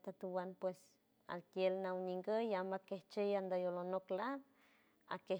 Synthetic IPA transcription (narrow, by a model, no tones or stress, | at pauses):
t̪at̪uwanpwes | a̰lkjelnawɲiŋɡəjamakeht͡ʃejand̪əjolonoklap̚ | a̰ke